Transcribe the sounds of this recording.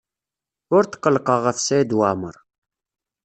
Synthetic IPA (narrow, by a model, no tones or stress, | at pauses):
ʊɾt̪qːəlqəʁəfsæid̪waməɾˤ